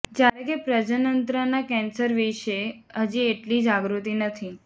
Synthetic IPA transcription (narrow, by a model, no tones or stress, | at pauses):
d͡ʒjaɾekepɾəd͡ʒənənt̪ɾənakɛnsəɾʋiʃe | əd͡ʒieʈlid͡ʒaɡɾut̪inət̪ʰi